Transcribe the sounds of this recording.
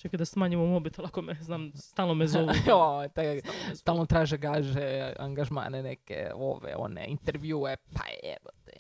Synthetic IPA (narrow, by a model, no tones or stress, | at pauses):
t͡ʃaked̪asmaɲimomobit̪elˠakomeznaːmst̪aːlnomezowat̪ast̪aːlˠnot̪ɾaːʒeɡaʒea̰ŋɡaʒma̰ːnenekḛo̰ʋḛo̰nḛint̪eɾʋjuepʰa̰ɛ̰ʋot̪e